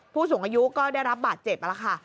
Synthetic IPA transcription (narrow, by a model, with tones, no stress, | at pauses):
pʰuː˥˩s̬u˨˩˦ŋʔaː˧ju˦˥kɔː˥˩da˥˩jɾa˦˥p̚baː˨˩t̪̚t͡ɕe˨˩p̚ʔa˧la˦˩kʰa˥˩